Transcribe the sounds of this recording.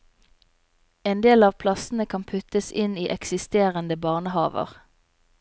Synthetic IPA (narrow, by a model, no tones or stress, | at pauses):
eːnd̪eːlɑːʋpʰlɑsn̩əkʰɑnpʰʉt̪əsɪniːʔɛksɪst̪eːʁənd̪əbɑːʁnəhɑ̰ːʋə̰ʁ